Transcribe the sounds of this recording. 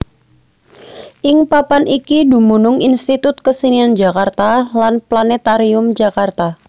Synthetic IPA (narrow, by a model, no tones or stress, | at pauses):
ʔɪŋpapanʔikidumunʊŋinst̪it̪ʊt̪̚kəsiniand͡ʒakart̪alanplanɛt̪aɾiʊmd͡ʒakart̪a